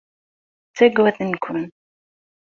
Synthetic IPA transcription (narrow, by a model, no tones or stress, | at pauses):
t͡sːæɡwæθənkʷʰʊn